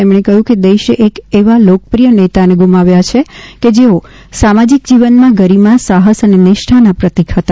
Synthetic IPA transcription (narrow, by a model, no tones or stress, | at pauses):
emɳ̃ekəɦjũked̪eʃeʔekeʋalokəpɾijənet̪aneɡumaʋjat͡ʃʰeked͡ʒeo | samad͡ʒik̚d͡ʒiʋənmãɡəɾimasaɦəsənenɪʃʈʰanapɾət̪ikɦət̪a